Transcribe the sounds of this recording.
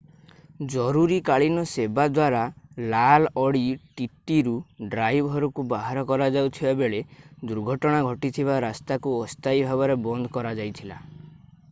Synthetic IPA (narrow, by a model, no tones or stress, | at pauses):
d͡ʒɔɾuɾikaɭinɔsebad̪waɾalalɔɽiʈit̪iɾuɖɾajbʱɔɾɔkubaɦaɾɔkɔɾad͡ʒawt̪ʰibabeɭed̪uɾɡʱɔʈɔɽ̃aɡʱɔʈit̪ʰiβaɾast̪akuɔst̪ajbʱabɔɾebɔnd̪ʱɔkɔɾad͡ʒajt̪ʰila